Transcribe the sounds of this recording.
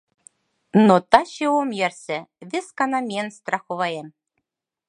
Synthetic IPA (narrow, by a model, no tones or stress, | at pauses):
not̪ɑɕewomjærsɘ̆βɘ̆skɑnɑmʲienst̪rɑxoβɑjem